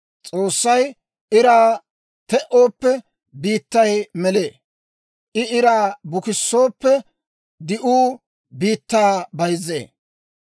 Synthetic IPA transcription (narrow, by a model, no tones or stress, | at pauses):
t͡sʼoːsːɐj | ʔɪɾaː | t̪ɛʔo̞ːpːɛ | biːt̪ːɐjmɛle̞ː | ʔɪɪɾaːbʊkɪsːo̞ːpːɛ | d̪ɪʔuː | biːt̪ːaːbɐjzːḛː